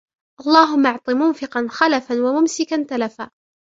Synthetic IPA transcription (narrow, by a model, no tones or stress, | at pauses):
ʔɑlˤːɑːɦʊmːɑʕt̪ˤɨmʊnfɪqɑnxalafanwamʊmsɪkant̪alafaː